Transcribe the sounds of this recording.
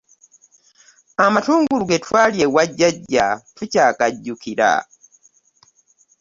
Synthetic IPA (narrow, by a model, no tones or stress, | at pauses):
amatuːŋɡuluɡetwaːljewaɟːaɟːatucaːkaɟːukiɾa̰